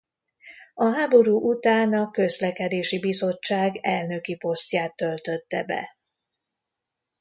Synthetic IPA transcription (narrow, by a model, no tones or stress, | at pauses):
ɒɦaːbo̞ɾuːʔut̪aːnɒkø̞zlɛkɛd̪eːʃibizo̞t͡ʃːaːɡɛlnø̞kipo̞st̪jaːt̪ːø̞lt̪øt̪ːɛ̰bɛ̰